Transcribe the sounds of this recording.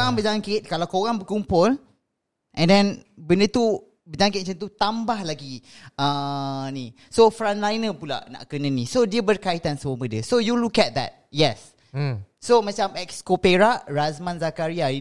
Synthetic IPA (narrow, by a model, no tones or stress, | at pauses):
aŋbəd͡ʒaŋkɪt̪̚kalawkoɣaŋbəkumpʊl | ʔɛ̃ndɛ̃nbəndət̪u | bəd͡ʒãŋkɪt̚t͡ʃə̃nt̪̬ut̪ambahlaɡiəni | sofɾãnlajnəpula̰ʔna̰ʔkənə̃nisodiəbərkait̪ansəmobədəsojulukɛt̪̚d̪ɛ̰t̚jɛsː | omat͡ʃamɛkskopeɹaʔɹazmãnzakaɾia